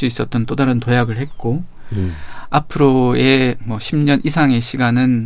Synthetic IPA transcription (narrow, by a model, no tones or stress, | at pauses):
s͈uis͈ʌt̚t͈ʌnt͈odaɾɯntojaɡɯɭhe̞t̚k͈o | apʰɯɾoe̞mwʌɕʰimɲʌnʔisʰaŋe̞ɕʰiɡanɯn